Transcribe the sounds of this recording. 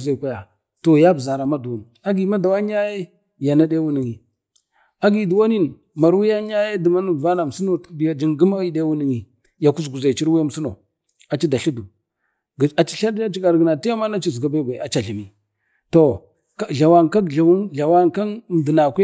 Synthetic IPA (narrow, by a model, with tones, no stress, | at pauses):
za˨kʷa˦ja˨ | to˨ja˦bza˨ɾa˨ma˦du˨wu˨n˨a˦ɡi˨ma˦da˨wa˦ɲa˦je˦ | ja˨na˦de˦wu˦ni˨ŋi˨ | a˦ɡi˨du˨wa˦ni˦n | ma˨ɾwu˦ja˦ɲa˦je˦də˨ma˦nu˨va˦na˨m˨si˦no˨tdi˨ja˨d͡ʒi˦ŋɡi˦ma˦i˦de˦wu˦ni˨ŋi˨ | ja˨ku˦sɡu˨za˨t͡ʃi˦ɾwi˦a˦m˨si˦no˨ | a˨t͡ʃi˦da˨ɬu˦du˨ | a˨t͡ʃi̥˦˨ɬa˦a˦t͡ʃi˦ɡa˨ɾɡə˨na˨ti˦ja˦ma˦na˦t͡ʃi˦zɡa˨ba˦˨ɡʷa˨a˨t͡ʃa˨ɬi˨mi˨ | to˨ | a˦˨ɮa˨wa˦ŋka˦ɮa˨˦ɮa˨wa˦ŋka˦n˨m˨də˨na˨kʷe˦